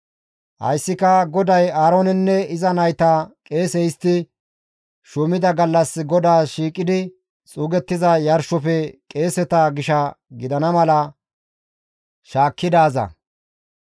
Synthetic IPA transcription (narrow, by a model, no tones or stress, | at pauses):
hɐ̰jsːɪkɐɡɔd̪ɐjaːɾoːnɛnːɛɪzɐnɐjt̪aːkʼe̞ːsɛjɪst̪ːɪ | ʃʊmɪd̪ɐɡɐlːɐsɡɔd̪aːʃiːkʼːɪd̪ɪ | t͡sʼuːɡɛt̪ːɪzɐjɐɾʃɔfɛkʼe̞ːsɛt̪ɐɡɪʃɐɡɪd̪ɐnɐmɐlɐ | ʃaːkːɪd̪aːzɐ̰